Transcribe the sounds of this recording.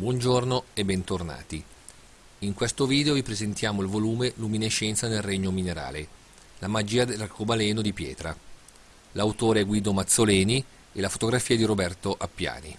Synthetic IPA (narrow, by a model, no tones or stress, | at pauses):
bwɔnd͡ʒornoebːɛnt̪orna̰ːt̪i | iŋkwest̪oviːd̪eovipɾezent̪jaːmoilvoluːmelumineʃːɛnt̪sanelreɲːomineɾa̰ːle | lamad͡ʒiːad̪elarkobalɛːnod̪ipjɛ̰ːt̪ɾa | lawt̪oːɾeɡwiːd̪omat̪sːolɛːni | elafo̥t̪oɡɾafiːad̪iɾobɛrt̪oʔapːja̰ːnḭ